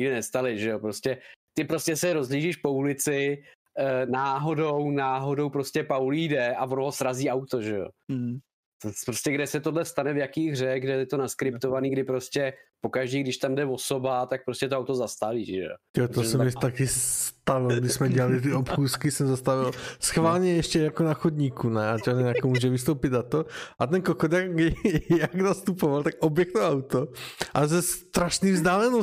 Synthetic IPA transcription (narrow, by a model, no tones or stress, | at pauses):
ɲɪɡdɛnɛst̪alɪʒɛjo̞pɾo̞scɛt̪ɪpɾo̞scɛsɛɾo̞zliːʒiʃpo̞ulɪt͡sɪ | naːɦo̞do̞wnaːɦo̞do̞wpɾo̞scʲɛpawlidɛʔavonoɦosɾaziːʔawt̪o̞ʒɛjo̰ | t̪opɾoscɛɡdɛsɛt̪odlɛfst̪anɛvjakiːɣr̝ɛɣɡdɛɛt̪onaskɾɪp̚t̪o̞vaniːɡdɪpɾo̞scʲɛpokaʒdiːɡdɪʃt̪amdɛvosobat̪ak̚pɾoscɛt̪oawt̪ozast̪aviːʒɛ̰o̰jot̪osɛmɪt̪akɪsst̪avɪlɡdɪʃsmɛɟɛlalɪt̪̬ɪʔopxuːskɪsɛmzast̪avɪlsxvaːlɲɛjɛʃcɛjakonaxodɲiːkunɛat͡ʃaɛnakomuːʒɛvɪst̪owpɪt̪nat̪oʔat̪ɛnkokod̪akɡjaɡnast̪upovalt̪akʔobjɛkt̪oʔawt̪oʔazɛst̪ɾaʃniːvzdaːlɛno